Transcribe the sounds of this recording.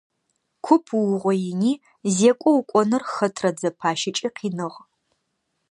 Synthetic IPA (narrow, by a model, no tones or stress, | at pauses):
kʷʰʊpʰwʊʁʷɔjɪniː | zeːkʷʼɔwukʷʼɔnɨrxɐtʰrɐd͡zɐpʰaːʃɪt͡ʃʼiːqʰiːnɨʁ